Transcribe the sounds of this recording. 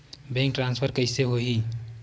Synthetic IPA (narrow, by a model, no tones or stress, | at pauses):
bɛ̃ŋkʈɾãnspʰəɾkəɪseɦoɦi